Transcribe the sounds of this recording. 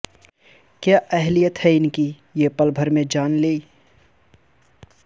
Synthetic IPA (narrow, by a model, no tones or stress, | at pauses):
kjaːʔɛɦlijət̪hɛɪnki | jepəlbʱəɾmẽd͡ʒaːnleːi